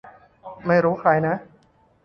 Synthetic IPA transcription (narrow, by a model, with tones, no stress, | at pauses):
ma˥˩jɾuː˦˥kʰaː˧jna˦˥